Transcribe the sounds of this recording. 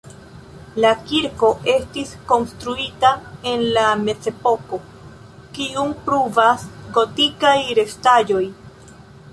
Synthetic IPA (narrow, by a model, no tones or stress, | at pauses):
lakiɾko̞ʔe̞stisko̞nstɾuitae̞nlame̞t͡se̞po̞ko̞ | kiumpɾuvasɡo̞tikajɾe̞stad͡ʒo̞j